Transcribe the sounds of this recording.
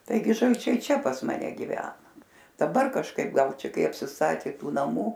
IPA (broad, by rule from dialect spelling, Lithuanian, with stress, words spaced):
tɐɪˈɡʲɪ ʒɐlʲˈt͡ʃʲɛɪ ˈt͡ʃʲɛ pɐs mɐˈnʲɛ ɡʲɪˈʋʲæːnɐ dɐˈbɐr kɐʃˈkɐɪp ˈɡɐlˠ ˈt͡ʃʲɛ ˈkɐɪ ɐpʲsʲɪsˈtɑːtʲeː ˈtuː nɐˈmuː